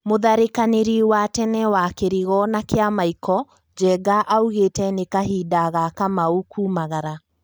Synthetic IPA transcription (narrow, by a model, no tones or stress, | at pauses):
moðaɾekaneɾiwatɛnɛwakeɾiɣɔnakeamaikʰɔ | d͡ʒɛɡaʔauɣetɛnekahiːdaɣakamaukʰuːmaɣaɾa